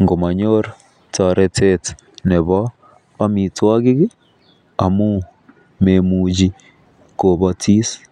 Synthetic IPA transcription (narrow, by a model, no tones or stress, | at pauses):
ŋɡomaɲoɾa | taɾetʰet | neβa | amitwaɣiɣi | amu | memuːd͡ʒi | koβatis